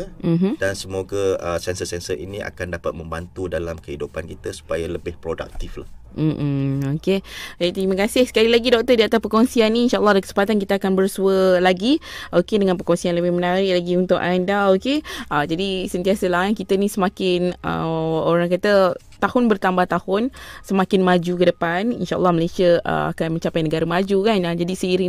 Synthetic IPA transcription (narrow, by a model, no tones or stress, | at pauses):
əm̩mm̩dansəmoɡəəsɛnsəsɛnsəʔḭnia̰kandapat̪̚mə̃mbant̪udalamkəɦidupankit̪əsu̥pajaləbɪhpɾoda̰k̚t̪ifla̰hm̩ʔ̩oked͡ʒit̪ɾimakasɪhsə̥kalilaɡidɔk̚t̪ədiat̪aspəkɔŋsianːiːnʃaʔəlːɑɦdakə̥sə̥mpat̪ankit̪aakanbərsuəlaɡiʔokedəŋãnpəkɔnsianləbɪhmənaɾɪʔlaɡiunt̪ʊkʔandaokeʔəd͡ʒadisənt̪iasəlaɦakit̪ənĩsəmakɪnə̰oɾaŋkat̪ə | t̪ahʊnbərt̪ambaht̪ahʊnsəmakɪnmad͡ʒukədəpanḭnʃaʔəlːɑhməlesiəʔə̰a̰kanmə̃ɲt͡ʃapajnəɡaɾəmad͡ʒukanad͡ʒadisəiɾi